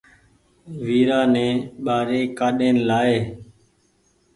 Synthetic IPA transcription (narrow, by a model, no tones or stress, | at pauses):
ʋiːɾaːnẽːɓaːɾeːkaːɗeːnlaːeː